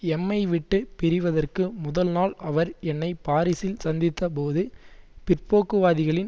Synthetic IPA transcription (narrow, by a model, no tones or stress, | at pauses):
ɛmːɐɪʋɪʈːɯpɪɾɪʋɐðɐrkɯmʊðɐlnaːlɐʋɐɾɛnːɐɪpaːɾɪsɪlsɐnd̪ɪt̪ːɐpoːðɯpɪrpoːkːɯʋaːðɪɣɐɭɪn